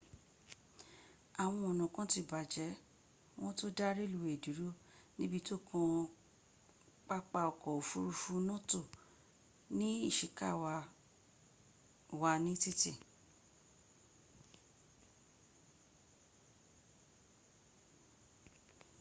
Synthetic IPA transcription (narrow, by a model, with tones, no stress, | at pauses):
a˨w̃ɔ̃˧ɔ˨nɔ̃˨kã˨˦ti˧˨ba˨d͡ʒɛ˨˦ | w̃ɔ̃˦to˦da˦ɾi˦lu˨˧we˦˨du˨˦ɾo˦ | nĩ˦bi˧to˦kɔ̃˧ | k͡pa˦k͡pa˧ɔ˨kɔ˨o˨fu˦ɾu˧fu˧˦nɔ̃˦to˦˨ | nĩ˦i˦˨ʃi˨ka̰˦˨wa˧ | wa˧nĩ˦ti˦tḭ˦˨